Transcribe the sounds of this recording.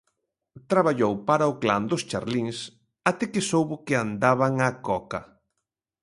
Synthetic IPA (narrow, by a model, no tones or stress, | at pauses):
t̪ɾaβaʎowpaɾaʊkland̪ʊst͡ʃa̰ɾliŋs | at̪ɛkɪsowβʊkɪand̪aβaŋakɔka